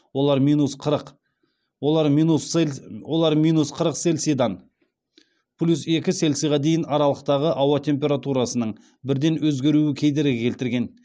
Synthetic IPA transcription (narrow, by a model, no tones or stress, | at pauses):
wo̞lˠɑɾmijnusqʰəɾəq | wo̞lˠɑɾminuswo̞lˠɑɾmijnusqʰəɾəqse̞lsijd̪ɑn | pʰlʲuse̞kʲɪse̞lsijʁɑd̪e̞jɪnɑɾɑlˠəqt̪ɑʁəʔɑwɑt̪ʰe̞mp̬ʲe̞ɾat̪uɾɑsənəɴ | bɪɾd̪e̞nwɵzɡʲe̞ɾuɪkʲʰe̞jd̪e̞ɾɪkʲʰe̞lt̪ɪɾɡʲe̞n